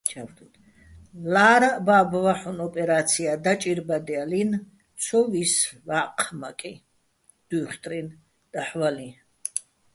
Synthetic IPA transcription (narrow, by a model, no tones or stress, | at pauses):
t͡ʃʰaft̪ʰut̪ʰ | laːɾababvaħunɔpʼɛɾat̪sʰiad̪at͡ʃʼiɾbad̪ialin | t̪sʰɔvisvaqʰma̰kʼi | d̪̥uχt̪ʼɾin | d̪̥aħvali